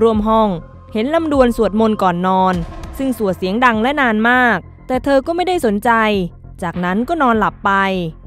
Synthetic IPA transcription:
ɾu˧əmɦɔ˥˩ŋ | he˩˦nla˧mdu˧ənsu˨˩ət̪̚mo˧nkɔː˨˩nːɔː˧nsɯ˥˩ŋsu˨˩ət̪̚si˩˦əŋda˧ŋlɛ˦˥naː˧nmaː˥˩k̚t̪ɛː˨˩t̪ʰɤː˧kɔː˥˩ma˥˩jda˥˩jso˩˦nt͡ɕa˧j | t͡ɕaː˨˩k̚na˦˥nkɔː˥˩nɔː˧nla˨˩pːa˧j

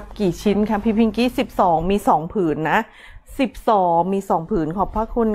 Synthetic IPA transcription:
p̚kiː˨˩t͡ɕʰi˦˥nkʰa˦˥pʰiː˧˩pʰi˧ŋki˦˥˩si˨˩p̚sɔː˩˦ŋmiː˧sɔː˩˦ŋpʰɯː˩˦nːa˦˥ʔ | si˨˩p̚sɔː˩˦ŋmiː˧sɔː˩˦ŋpʰɯː˨˩˦nkʰɔ˨˩pʰːaː˧˥˩kʰu˧n

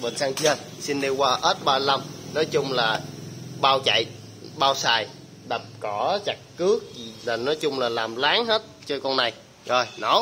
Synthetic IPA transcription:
ɓə̰˨˩ŋsaː˧ŋt͡ɕə˧si˧nɗe˧wkwaː˧ʔəː˦˥t̚ɓaː˧la˧mnɔ˨˦jt͡ɕʊ˧ŋ͡mlaː˨˩ɓaː˧wt͡ɕə̰˧˨j | ɓaː˧wsaː˨˩j | ɗə˨˩p̚kɔ˧˩˦t͡ɕa˨˩k̚kɨ˦˥ək̚i˨˩laː˨˩nɔ˨˦jt͡ɕʊ˧ŋ͡mlaː˨˩laː˨˩mlaː˨˦ŋhe˦˥t̚t͡ɕɔ˧kɔ˧nna˨˩j | zɔ˨˩jnɔ˨˦

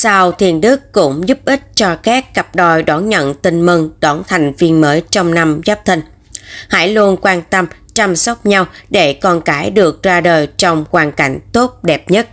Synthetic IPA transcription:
sa˧wt̪ʰi˨˩ənɗɨ˦˥əkkʊ̰˧˥ŋ͡mzu˦˥p̚ʔï˦˥k̟̚t͡ɕɔ˧xɛː˦˥kːa˨˩p̚ɗɔ˨˩jɗɔ˨˦nɲə̰˧˨nt̪ï˧ŋ̟mi˧ŋɗɔ˨˦nt̪ʰa˨˩jŋ̟vi˧ənməː˨˦jt͡ɕɔ˧wŋ͡mna˧mzaː˦˥p̚t̪ʰï˧ŋ | ha̰˧˥jlu˧ənkwaː˧nt̪ə˧m | t͡ɕa˧msɔ˦˥k͡p̚ɲa˧wɗe˧˩kɔ˧˩nkaː˨˦jɗɨ˨˩ək̚zaː˧ɗəː˨˩jt͡ɕɔ˧wŋ͡mkwaː˨˩nka˧˩jŋ̟t̪o˦˥t̚ɗɛ˨˩p̚ɲə˦˥t̚

